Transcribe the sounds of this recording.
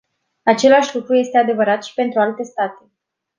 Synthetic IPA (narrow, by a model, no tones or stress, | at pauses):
at͡ʃe̞laʃʲlukɾuje̞st̪e̞ad̪e̞vəɾat̪ʃi̥pe̞nt̪ɾualt̪e̞st̪at̪e̞